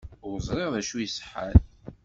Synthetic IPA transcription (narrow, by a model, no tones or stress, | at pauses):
ʊɾzˤɾˤeʁðæʃujisə̥ħa̰l